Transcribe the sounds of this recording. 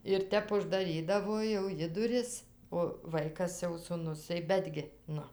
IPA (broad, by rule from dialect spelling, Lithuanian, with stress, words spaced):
ɪr ˈtʲɛp ʊʒdɐˈrʲiːdɐʋoː jɛʊ ˈjɪ dʊˈrʲɪs oː ˈʋɐɪkɐs jɛʊ sʊˈnʊs tɐɪ ˈbʲæːdʲɡʲɪ ˈnʊ